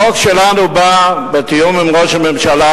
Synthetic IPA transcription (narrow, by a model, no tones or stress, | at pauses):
okʃelanubabet̪ijumimʁoʃamemʃala